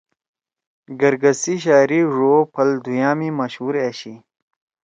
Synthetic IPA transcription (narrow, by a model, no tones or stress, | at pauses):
ɡɐɾɡɐsiɕ̬aːɾiʐoːpʰɐld̪ʱujaːmimɐɕuːɾeːɕi